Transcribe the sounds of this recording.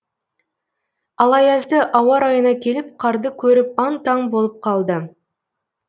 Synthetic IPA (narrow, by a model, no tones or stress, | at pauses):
ɑlˠɑjɑzd̪əʔɑwɑɾɑjənɑkʲʰe̞lɪp̚qʰɑɾd̪əkʲʰɵɾɪp̚ɑnt̪ɑŋbo̞lˠəp̚qʰɑlˠd̪ə